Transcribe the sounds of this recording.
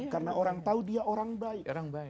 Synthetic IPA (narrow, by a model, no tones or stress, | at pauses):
karnaʔoɾaŋt̪audiaʔoɾaŋbaikaŋb